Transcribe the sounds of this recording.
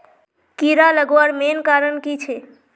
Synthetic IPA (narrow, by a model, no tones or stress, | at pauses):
kiɾaləɡoaɾmenkaɾənkit͡ʃʰe